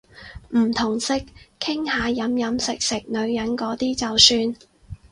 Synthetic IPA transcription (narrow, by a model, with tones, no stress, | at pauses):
m̩˨˩t̪ʰʊ˨˩ŋsɪ˨k̚kʰːɪ˥ŋhaː˨˧jɐ˨˥mjɐ˨˥msɪ˨k̚sɪ˨k̚nɵ˨˧ɥjɐ˨˥nkɔː˨˥t̪iː˥t͡sɐ˨wsyː˧n